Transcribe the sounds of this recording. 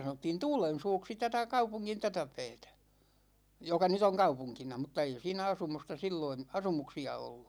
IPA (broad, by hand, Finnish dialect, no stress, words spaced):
sɑnotːiːn tuːlen̞suːksi tætæ kɑupuŋːin tætæ pɛːtæ jokɑ nyt oŋ kɑupuŋkinɑ mŭtˑɑ ei siːnæ ɑsumustɑ silːoin̞ ɑsumuksiɑ olːu